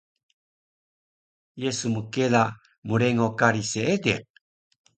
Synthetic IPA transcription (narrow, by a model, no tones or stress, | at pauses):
jesumukela | muɾeŋokaɾiseede